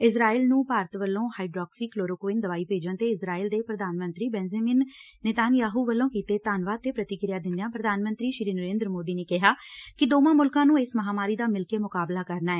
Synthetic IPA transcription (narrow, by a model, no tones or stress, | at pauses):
ɪsɾaːiːlnũːpaːɾət̪ʋəlːõːhaːiɖɾɔːksiːkloːɾokoɪːnd̪əʋaːiːpeːd͡ʒənt̪eːɪsɾaːiːld̪eːpɾəd̪aːnmə̃nt̪ɾiːbɛːnd͡ʒaːmɪːnː | eːt̪aːnjaːɦuːʋəlːõːkiːt̪eːt̪aːnʋaːd̪t̪eːpɾət̪ɪkɾɪjaːd̪ɪ̃nd̪ejãːpɾəd̪ʱaːnmənt̪ɾiːʃɾiːnəɾeːnd̪ɾəmoːd̪iːneːkɪɦaːkɪd̪oːmãːmʊlkãːnũːeːsməɦaːmaːɾiːd̪aːmɪlkeːmʊkaːblaːkəɾnaːɛː